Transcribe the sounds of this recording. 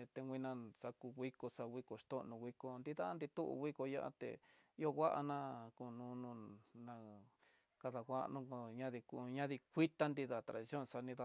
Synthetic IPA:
t̪e˧wʷĩ˧nã˧sa˧ku˧ɣwi˦ko˧sa˧wʷi˧ko˨˧ʂt̪õ˦ʔnũ˧wi˦ko˧nd̪i˦ða˦nd̪i˧t̪u˦ʔɣi˦ko˧ja˦ʔa̰˧t̪ḛ˨i˦o˧ɣʷa˦ʔa̰˧nã˦˧ku˧˨nũː˧˦nũ˧nã˧ | ka˧ða˧kʷa˦˧nũ˦˧o˧ɲã˦ði˧ku˧ɲã˦ði˧kʷi˦t̪a˦nd̪i˧ða˨t̪ɾa̰˨ði˧sjo˦˨nsa˧nĩ˧ða˧

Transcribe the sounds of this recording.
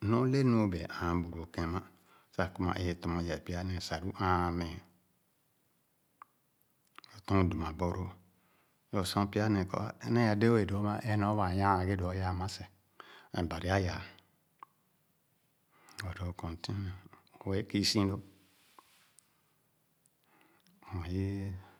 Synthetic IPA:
no˦le˦n˦o˦be˨ʔã˨˦bu˨ɾo˨kẽ˨ma˦ | sa˨ku˦ma̰˨ʔe˦e˨to˨mo˨ja˨pi˦a˦ne˨sa˨ɾu˦ʔã˦˨me˨ | jo˨tõ˦ŋ˨du˨m˨a˨bo˨ɾo˦ | jo˨sõ˦pi˦a˦ne˨ko̰˨˦ne˦a˨de˦e˨do˨˦ma˦ʔe˦no˦βa˨jã˦˨ɡe˦do˨˦ja˦˨ma˦se˨ | ḛ˨ba˨ɾi˨a˦ja˨ | o˨do˨kõ˨nti˦e˨o˨we˦ki˦sĩ˦do˦ | o˨ji˦

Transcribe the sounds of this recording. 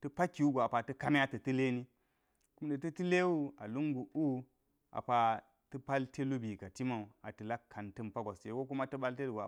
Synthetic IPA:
tə˦pa˦kːi˨˦u˦ɡʷo˨a˨pa˨tɐ˦ka˦m˦a˦tə˨tə˦le˦ni˦ | ku˦mde˨tɐ˦ti˦le˦wu˦a˨lu˦ŋɡu˨ʔu˦ | a̰˨pa˨ | tɨ˦pa˦ltʰe˦lu˦bi˨ka˨ti˦ma˨u˨a˨tə˨la˦kʰːa˨ntɨ˦mpa˦ɡa˨se˨wo˦ku˦ma˦tu˦ba˦lte˦lu˨ɡ

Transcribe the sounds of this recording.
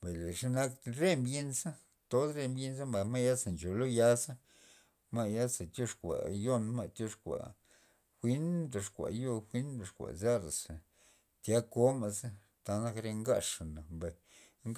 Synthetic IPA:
mba˨le˨ʂa˦na˦kɾe˦mbje˧nsa˦ | t̪o˦d̪ɾe˧mbje˧nza˦mba˨ma˦ja˦sa˨nt͡ʃo˨lo˦ja˧sa˦ | ma˧ja˦sa˨t̪ʲjo˦ʂkʷa̰˨jo˦nma˦˧t̪ʲjo˧ʂkʷa̰˨ | xʷi˦nd̪o˧ʂkʷa̰˨jo˧xʷi˦nd̪o˨˧ʂkʷa̰˨za˦ɾa˨sa˨ | t̪ja˦ko˦ma˧sa˦ | t̪a˧na˦kɾe˧ŋɡa˧ʂa˨na˨mba˧˨ | ŋ

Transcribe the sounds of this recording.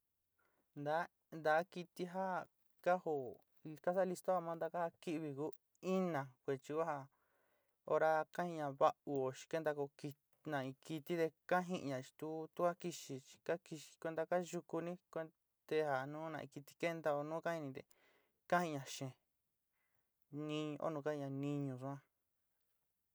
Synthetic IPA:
nd̪a˨˦ | nd̪a˨˦ki˧t̪i˧ɦa˦ | ka˦ho˧˨˧ | ka˦sa˦˧li˧st̪o˦a˧mãː˦nd̪a˧ka˦ha˧ki˦ʔβi˧ku˦ | i˦nã˨kʷe˧t͡ʃi˧kʷa˦ha˧ | o˧ɾa˧kã˦ĩ˧ɲã˨βa˦u˧o˨ʃi̥˧ke˦nd̪a˧ko˧ki˧ | nã˨ĩ˧ki˧t̪i˦t̪e˧ka˦ɦĩ˧ʔɲã˨t͡ʃi̥˧t̪u˦t̪u˦ka˦ki˧ʃi˧t͡ʃi̥˧ka˦ki˧ʃi̥˧kʷe˧nd̪a˧ka˦ʒu˧ku˧nĩ˦kʷe˧ | t̪e˧ha˨nũː˦nã̰˧ʔḭ̃˧ki˧t̪i̥˧ke˦nd̪a˧o˧nũː˦kã˦hi˧nĩ˧t̪ḛ˧˨ | kã˦hĩ˧ɲã˨ʃẽ˨ | nĩ˦ɲ̃˧ʔo̰˦nũ˧ka˦ĩ˧ɲã˧˨nĩ˧ɲũ˧sũ˧ã˦

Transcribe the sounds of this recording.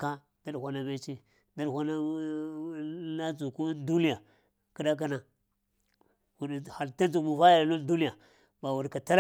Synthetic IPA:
ka˦ | d̥a˦dhʷa˦na˦me˦t͡ʃi˦ | da˦lhʷa˦na˦ | na˦d͡zu˨ku˦du˦ni˦ja˨ | ki˦da˦k̬a˦na˨ | wu˨ha˨lta˦nd͡ʒu˨mu˨va˦ja˨llu˦ldu˦ni˦ja˨ | ba˨wu˨ɾka˨ta˦ɾ

